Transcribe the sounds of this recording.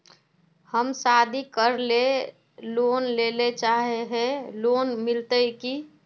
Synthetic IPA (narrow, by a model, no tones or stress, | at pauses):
həmsad̪ʱikəɾle | lonlelet͡ʃaɦeɦɛ̃loːnmɪlt̪əki